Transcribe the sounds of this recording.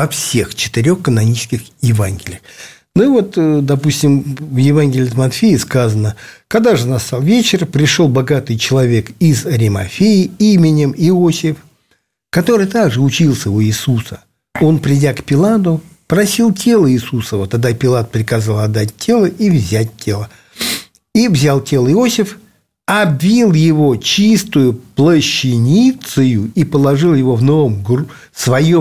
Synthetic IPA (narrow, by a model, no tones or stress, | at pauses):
vɐfsʲe̞xt͡ɕɪ̥t̪ɪɾʲo̞xkənɐnʲit͡ɕskʲɪxjɪvanɡʲɪlʲɪjəx | nuvo̞t̪d̪ɐpusʲtʲɪmvjɪvanɡʲɪlʲɪt̪mɐt̪fʲejɪskazənəkɐɡd̪aʐɨnast̪alˠvʲet͡ɕɪrpɾʲɪʂo̞lˠbɐɡat̪ɨjt͡ɕɪlˠɐvʲe̞kizɐɾʲɪmɐ̰fʲejɪimʲɪnʲɪmɪosʲɪf | kɐt̪o̞ɾɨjt̪aɡʐɨʊt͡ɕilˠsʲəuisusə | o̞npɾʲɪdʲakpʲɪlˠad̪ʊ | pɾɐsʲilˠtʲe̞lˠəisusəvət̪ɐɡ̚d̪apʲɪlˠat̪̚pɾʲɪkɐzalˠɐd̪ːat̚ʲtʲːe̞lˠəʔivzʲæt̚ʲtʲːe̞lˠə | ivzʲalˠtʲe̞lˠɪo̞sʲɪf | ɐbːʲilˠjɪvo̞t͡ɕist̪ʊjʊplˠəɕːɪnʲit̪sɨjʊipəlˠɐʐɨlˠjɪvo̞vnovomɡr | svɐjo